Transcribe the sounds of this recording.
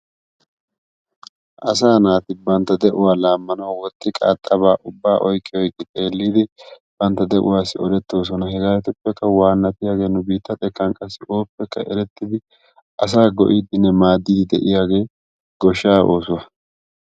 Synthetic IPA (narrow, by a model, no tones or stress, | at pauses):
ʔɐs̬aːnaːt̪ɪbɐnt̪ːɐd̪ɛʔʊwaːlaːmːɐnɐwwɔt̪ːɪkʼa̰ːt̪ʼːɐβaːʔʊbːaːʔɔjkʼːɪɔjkʼːɪt̪ʼe̞ːlːiːd̪ɪ | b̥ɐnt̪ːɐd̪ɛʔʊ̰waːsɪɔd̪ɛt̪ːo̞ːs̬ɔnɐhɛɡaːjt̪ʊpːɛkːɐwaːnːɐt̪ɪjaːɡe̞ːnʊbiːt̪ːɐt̪ʼɛkːɐŋkʼːɐsːɪʔo̞ːpːɛkːɐʔɛɾɛt̪ːɪd̪ɪ | ʔɐs̬aːɡɔʔiːd̪ɪnːɛmaːd̪ːiːd̪ɪd̪ɛʔɪjaːɡe̞ː | ɡ̥ɔʃːaːʔo̞ːsʊwɐ